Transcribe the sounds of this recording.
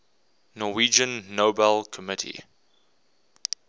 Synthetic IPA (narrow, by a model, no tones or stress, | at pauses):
nɔwid͡ʒə̃nːoʊbɛlˠkʰəmɪtʰḭ